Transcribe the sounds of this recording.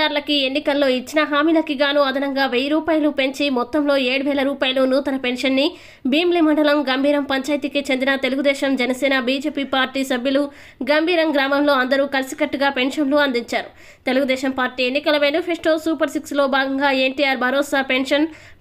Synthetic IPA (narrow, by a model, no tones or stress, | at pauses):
aːɾlɐkie̞nːikɐlːo̞ːit͡ʃːinɐɦaːmiːlɐkiɡaːnuɐd̪ʱɐnɐŋɡaːʋejɾuːpaːjɐlupe̞ɲt͡ʃimɔt̪ːɐmlo̞ːeːɽuʋɛːɭɐɾuːpaːjɐlunuːt̪ɐnɐpe̞ɳʂɐnːi | biːmlimɐɳɖɐlɐmɡɐmbʱiːɾɐmpɐɲt͡ʃaːjɐt̪ikit͡ʃe̞nd̪inɐt̪eluɡud̪ɛːʃɐmd͡ʒɛnɐsɛːnɐbiːd͡ʒe̞ːpiːpaːɾʈiːsɐbʱjulu | ɡɐmbʱiːɾɐmɡɾaːmɐmlo̞ːɐnd̪ɐɾuːkɐlɐsi̥kɐʈːuɡaːpe̞ɳʂɐnluɐnd̪iɲt͡ʃaːɾu | t̪e̞luɡud̪ɛːʃɐmpaːɾʈiːe̞nːikɐlɐʋeːnupʰesʈoːsuːpɐɾsikslo̞ːbʱaːɡɐŋɡaːeɳʈiːjaːɾbʱɐɾɔːsaːpe̞ɳʂɐn